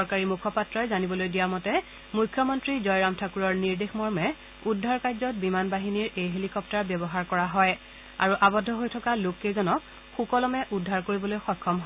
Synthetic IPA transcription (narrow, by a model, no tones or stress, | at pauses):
sɔɹkaɹimukʰɔpatɹɔjzanibɔlojdijamɔtɛ | mujkʰːjɔmɔntɹizɔjɹamtʰakuɹɔɹniɹdexmɔɹmɛ | udʱːaɹkajzɔt̚bimanbaɦiniɹejɦelikɔptaɹbjɔbɔɦaɹkɔɹaɦɔj | a̰ɹuʔabɔdʱːɔɦojtʰɔkalokːezɔnɔk̚ | xukɔlɔmɛʔudʱːaɹkoɹibɔlojxɔkʰːɔmɦɔ